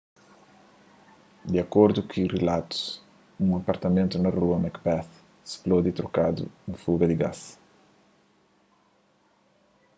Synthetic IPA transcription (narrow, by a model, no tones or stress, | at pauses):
d̪iakoɾd̪ukʰɪrelat̪u̥s | ũɐpɐɾt̪ɐmẽnt̪unɐruɐmakpɛθ | splod̪it̪ɾokad̪ṵnɐfuɡɐd̪ɪɡa̰s